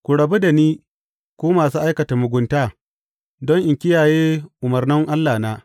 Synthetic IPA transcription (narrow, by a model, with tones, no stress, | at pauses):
kʷu˨ɽɐ˨bu˦da˨niː˦ | kʷoː˦maː˨suː˦ʔa˦jkɐ˨ta˨mʊ˨ɡʷʊ˦ntaː˦ | dɔ˦ŋʔɪ˨ŋkʲɪ˦jaː˨jeː˦ʔʊ˨mɐ˨rnɪ˦ŋʔa˦lːaː˨naː˦